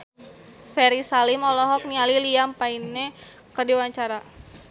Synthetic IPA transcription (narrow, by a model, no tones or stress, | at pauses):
fɛɾisalimɔlɔɦɔk̚nialiliampainɛkədiwaɲt͡ʃaɾa